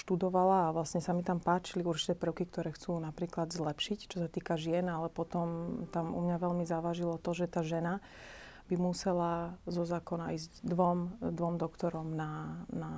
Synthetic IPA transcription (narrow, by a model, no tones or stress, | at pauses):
ʃt̪ud̪ɔʋalaːʋlasɲɛsamit̪ampaːt͡ʃiliuɾt͡ʃi̥t̪ɛːpr̩ʊkik̚t̪ɔɾɛːxt͡suːnapɾiːklad̪zlɛpʃict͡ʃɔsat̪iːkaʒɪɛnalɛpɔt̪ɔmt̪amṵmɲaʋɛlmizaʋaʒilɔt̪ɔʒɛt̪aːʒɛna | b̥imusɛlazɔzaːkɔnaiːzɟd̪ʋɔmd̪ʋɔmd̪ɔkt̪ɔɾɔmnana